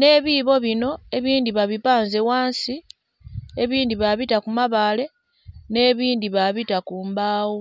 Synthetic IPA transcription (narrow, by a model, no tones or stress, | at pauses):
ne̞ːβiβo̞βino̞e̞βiːndiβaβipaːnze̞waːnsi | e̞βiːndiβaβitakumaβaːle̞ | ne̞ːβiːndiβaβitakuːmbaːwo